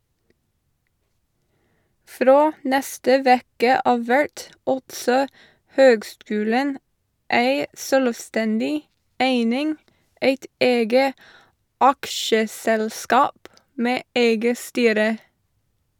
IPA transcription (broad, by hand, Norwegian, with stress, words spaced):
ˈfɾoː ˈnɛstə ˈʋeːkə ˈɑːʋ ˈʋæɹt ˈɑltsɔ ˈhøːɡˌskʉːlən ˈæɪ ˈsøːlʋˌstɛndɪ ˈæɪnɪŋ ˈeɪt ˈeːɡə ˈɑkʃəˌsɛlˌskɑːp ˈmeː ˈeɪɡə ˈstyːɾə